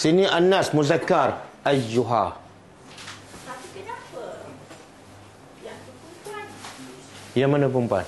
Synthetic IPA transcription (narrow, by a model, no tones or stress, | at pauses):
siniʔanːasmuzakːaɾad͡ʒuɦa̰ | apikənapə | jakumpan | jamanak̬umpa̰n